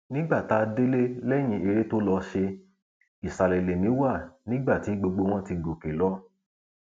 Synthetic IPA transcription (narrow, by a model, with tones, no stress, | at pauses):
nĩ˦ɡ͡ba˦˨ta˦de˦le˦lɛ˦j̃ĩ˧˦e˧ɾe˦to˦lɔ˧ʃe˧ | i˨sa˨le˨le˨nĩ˨˦wa˦˨nĩ˦ɡ͡ba˦˨ti˨˦ɡ͡bo˧ɡ͡bo˧w̃ɔ̃˦ti˧ɡo˨ke˨lɔ˨˦